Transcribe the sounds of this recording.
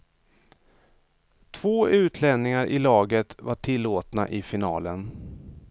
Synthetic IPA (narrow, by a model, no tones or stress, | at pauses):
t̪ʰv̥oːʔʉ̟ːt̪ʰlɛnnːɪŋaɾʔɪlɑːɡət̪vaʈʰɪlːoːt̪na̰ʔɪfɪnɑːlən